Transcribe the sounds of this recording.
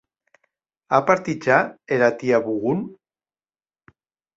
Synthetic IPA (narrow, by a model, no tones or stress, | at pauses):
apaɾt̪it͡ʃaeɾat̪iaβuɣun